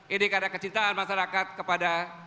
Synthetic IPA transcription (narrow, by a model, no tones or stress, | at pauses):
ʔinikadakət͡ʃint̪aːnmaʃaɾakat̪̚kəpada